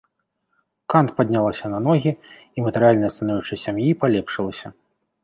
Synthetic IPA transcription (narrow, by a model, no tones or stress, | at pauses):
kant̪̚pad̪ʲnʲalˠɐsʲɐnɐnɔɣʲi | imɐt̪ɨɾɨjalʲnɐjɐst̪ɐnajut͡ʂɐsʲamjipalʲɛpʂɨlˠɐsʲɐ